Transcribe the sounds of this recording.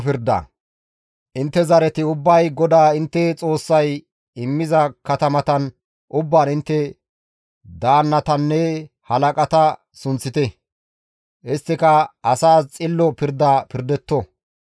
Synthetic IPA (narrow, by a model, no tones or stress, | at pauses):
pɪɾd̪ɐ̰ | ʔɪnt̪ːɛzɐɾɛt̪ɪʊbːɐjɡɔd̪aːɪnt̪ːɛt͡sʼo̞ːsːɐj | ɪmːɪzɐkɐt̪ɐmɐt̪ɐn | ʔʊbːaːnɪnt̪ːɛ | d̪aːnːɐt̪ɐnːɛ | hɐlɐkʼɐt̪ɐ | sʊnt͡sːɪt̪ɛ | ʔɪst̪ːɪkɐɐsaːst͡sʼɪlːɔpɪɾd̪ːapɪɾd̪ɛt̪ːɔ